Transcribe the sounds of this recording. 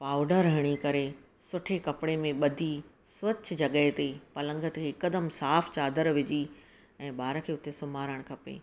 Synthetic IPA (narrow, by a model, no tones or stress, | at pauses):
paːʊɖəɾɦɐɽ̃ikɐɾe | sʊʈʰekɐpɪɽemẽɓɐd̪ʱi | sʋɐt͡ɕd͡ʑɐɠəɦet̪epɐlə̃ŋɡʱət̪kʰeːkəd̪əmsaːft͡ɕaːd̪əɾʋɪd͡ʑi | ɛ̃ːɓaːɾə̆kʰeːʊt̪esʊmaːɾəɽ̃kʰɐpḛː